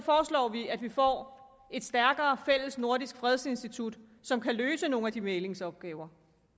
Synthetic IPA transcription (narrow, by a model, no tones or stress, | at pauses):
fɒːslɒ̰ːʋiæd̥ʋifɒ̰ː | e̝d̥sd̥æɐɡ̥ɐːfel̰əsno̝ɐd̥isɡ̥fʁɛðˠse̝nsd̥it͡sʰud̥ | sɒ̽mkʰæløːsəno̝ːnæd̥imeːle̝ŋsɒ̽b̥̚ɡ̥ɛːʊɐ